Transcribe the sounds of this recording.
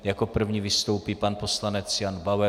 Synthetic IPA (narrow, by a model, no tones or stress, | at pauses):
jako̞pr̩vɲivɪst̪o̞wpiːpanpo̞slanɛt͡sjanbawɛ